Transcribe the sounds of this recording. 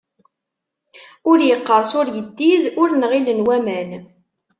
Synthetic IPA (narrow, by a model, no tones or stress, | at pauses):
ʊɾjəqːəɾˤsʊɾjəd̪ːiðʊɾnʁilənwæmæn